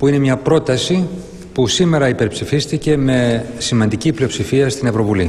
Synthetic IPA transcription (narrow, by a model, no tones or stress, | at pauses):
puine̞mɲɐpɾo̞t̪ɐsi | pusime̞ɾɐipe̞ɾpsifist̪ice̞me̞simɐnd̪iciplio̞psifiɐst̪ine̞vɾo̞vuli